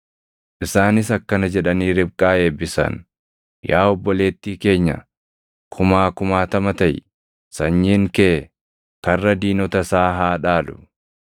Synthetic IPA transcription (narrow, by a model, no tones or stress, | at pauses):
ʔɪsaːnɪsɐkːɐnɐd͡ʒɛᶑɐniːɾɪbkʼaːe̞ːbːɪsɐ̰n | jaːɔbːɔle̞ːt̪ːiːke̞ːɲːɐ̰ | kʰʊmaːkʊmaːt̪ɐmɐt̪ɐj | sɐɲːiːŋkeː | kɐrːɐd̪iːnɔt̪ɐsaːɦaːᶑaːlʊ̥̰